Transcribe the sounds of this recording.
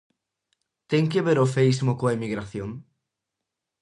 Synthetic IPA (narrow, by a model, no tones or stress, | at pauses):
t̪eŋkeβeɾofeizmʊkoɐemiɣɾaθjoŋ